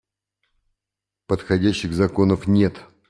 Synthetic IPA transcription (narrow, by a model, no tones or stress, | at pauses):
pət̪xɐdʲæɕːɪɣzɐko̞nəfnʲe̞t̪